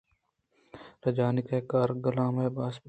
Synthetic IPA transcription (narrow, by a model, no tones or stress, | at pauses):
ɾɐd͡ʒaːnɪkeːkaːɾɡɐlãːmeːbaːsp